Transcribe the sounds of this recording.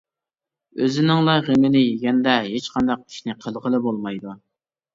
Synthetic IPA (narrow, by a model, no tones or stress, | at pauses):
øzɪnɪŋlˠɑʁəmɪnɪjiɡʲɛnd̪ɛɦet͡ʃqʰɑnd̪ɑq̚kʲʰi̥ʃnɪqʰəlˠʁəlˠɨbolˠmɑjd̪u